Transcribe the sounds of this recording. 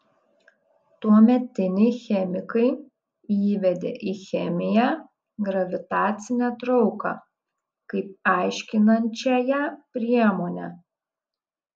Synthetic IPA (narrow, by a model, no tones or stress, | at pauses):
t̪uɔmʲɛt̪ʲɪnʲɪxʲɛmʲɪkɐɪ | iːʋʲɛd̪ʲḛʔixʲɛmʲɪjæ | ɡɾɐʋʲɪt̪ɑːt̪sʲɪnʲɛt̪ɾɒʊkɑ̰ː | kɐɪp̚ɑˑɪʃʲkʲɪnɐnʲt͡ʃʲɛjɛpʲɾʲiɛmoːnʲæ